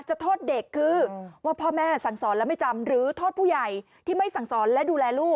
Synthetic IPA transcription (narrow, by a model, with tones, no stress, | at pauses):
t͡ɕa˨˩t̪ʰoː˥˩t̪̚de˨˩kʰːɯː˧waː˥˩pʰɔː˥˩mɛː˥˩sa˨˩˦ŋsɔː˩˦nlɛː˦˥wma˥˩jt͡ɕa˧mɾɯː˩˦t̪ʰo˥˩t̪̚pʰuː˥˩ja˨˩j | t̪ʰiː˥˩ma˥˩jsa˨˩˦ŋsɔː˩˦nlɛ˦˥duː˧lɛː˧luː˥˩k̚